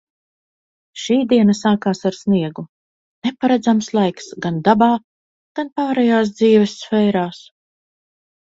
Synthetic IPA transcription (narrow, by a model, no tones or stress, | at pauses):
ʃiːd̪iɛnɐsaːkaːsaɾsniɛɡu | nɛpaɾɛd̪zamslˠajksɡand̪abaː | ɡ̥anpaːɾɛjaːs̬d̪ziːvɛsːfɛjɾaːs